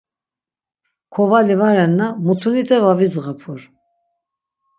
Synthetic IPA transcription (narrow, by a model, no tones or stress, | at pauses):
kʰɔvalivaɾɛnːamut̪ʰunit̪ʰɛvavizʁapʰuɾ